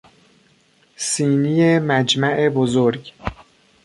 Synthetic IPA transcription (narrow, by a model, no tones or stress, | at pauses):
siːnijemæd͡ʒmæʔebozoɾɡ